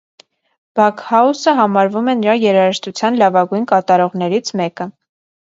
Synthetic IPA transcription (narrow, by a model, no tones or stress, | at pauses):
b̥ɑkʰhɑusəɦɑmɑɾvumɛnəɾɑjɛɾɑəʃt̪ut͡sʰjɑnlɑvɑɡujnkɑt̪ɑɾɔʁn̪ɛɾit͡sʰmɛkə